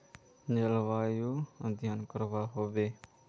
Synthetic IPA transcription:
ɲəlʋaːjõːd̪ʱjaːnkəɾʋaːɦoːʋeː

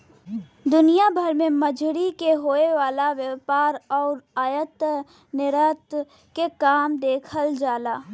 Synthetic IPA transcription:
d̪ʊnijabʱəɾmẽmɐd͡ʒʱɽikeɦoːeʋaːlaʋjəpaːɾɔːɾaːjət̪ | nɪɾət̪ | kekaːmd̪eːkʰəld͡ʒaːlaː

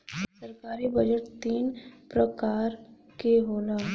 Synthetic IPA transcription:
sɐɾkaːɾibɐd͡ʒəʈt̪iːnpɾɐkaːɾ | keɦoːlaː

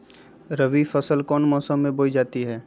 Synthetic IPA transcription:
ɾəʋifəsəlkɔːnmɔːsəmːẽboːid͡ʒaːt̪iɦɛː

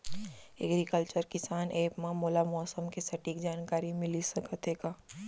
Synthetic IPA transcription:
ɛ̰ɡɾikəlt͡ʃəɾkɪsaːneːpmãmoːlamɔːsəmkesɐʈiːkd͡ʒaːnkaːɾimɪlisɐkət̪eːɡaː

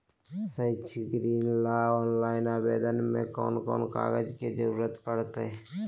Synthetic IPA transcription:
səit͡ʃʰɡɾiːnlaɔːnlaːɪnaːbeːd̪ənmḛ̃kɔ̰ːnkɔ̰ːnka̰ːɡəd͡ʒked͡ʒəɾuːɾət̪pəɽt̪eɛ

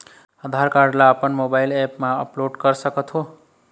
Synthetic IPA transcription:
əd̪ʱaɾkaɾɖlaəpənmobajlepmaə̰ploɖkʌɾsʌkʌt̪ʰɦo

